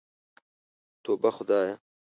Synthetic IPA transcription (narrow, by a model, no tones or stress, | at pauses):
t̪oːbɐxʊd̪aːjɐ